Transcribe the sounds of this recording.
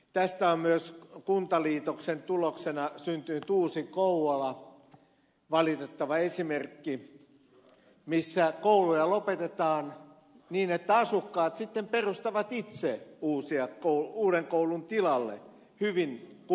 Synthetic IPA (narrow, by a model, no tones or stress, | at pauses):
t̪æst̪æommyøskunt̪ɑliːt̪oksent̪uloksenɑsynt̪ynyt̪uːsikouwɑlɑ | ʋɑlit̪et̪ːɑʋɑesimerkːi | misːækoulujɑlopet̪et̪ɑːn | niːnet̪ːæɑsukːɑːt̪sit̪ːemperust̪ɑʋɑt̪it̪seuːsiɑkouuːɾeŋkoulunt̪ilɑlːḛ | hyʋink